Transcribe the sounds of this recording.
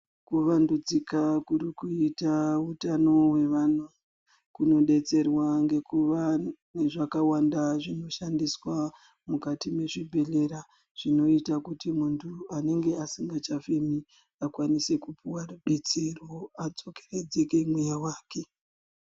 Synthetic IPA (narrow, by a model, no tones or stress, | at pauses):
kuʋandud͡zikakuɾikuitautano̞we̞ʋan̤u | kuno̞ɗe̞t͡se̞rwaŋɡe̞kuʋane̞ʐakawandaʐino̞ʃandiswa | mukatime̞ʐibʱe̞le̞ɾa | ʐ̥ino̞itakutimuntʰuane̞ŋɡe̞asiŋɡat͡ʃafemi | akwanise̞kupuwaruɗe̞t͡serwoad͡zo̞ke̥re̞d͡zeke̞mwejawaːke̞